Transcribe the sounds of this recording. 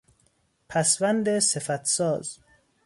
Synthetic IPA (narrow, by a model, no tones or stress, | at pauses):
pʰæsvænd̪esefæt̪ʰsɒːz̥